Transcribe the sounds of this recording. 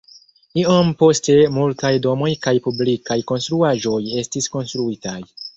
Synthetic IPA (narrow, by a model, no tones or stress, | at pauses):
io̞mpo̞ste̞multajdo̞mo̞jkajpublikajko̞nstɾuaʒo̞je̞stisko̞nstɾuitaj